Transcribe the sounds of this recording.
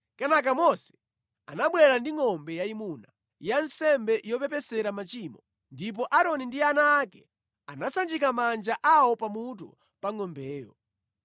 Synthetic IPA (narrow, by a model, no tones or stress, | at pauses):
kɛnak̬amɔsɛ̥ | a̰naɓwɛɾandiŋɔmbɛjaimuna | jansɛmbɛjɔpɛpɛsɛɾamat͡ʃiːmɔ | ndip̬ɔʔaɾɔnindianaːkɛ | anasand͡ʒikamand͡ʒaʔawɔpamut̬u | paŋɔmbɛːjɔ̰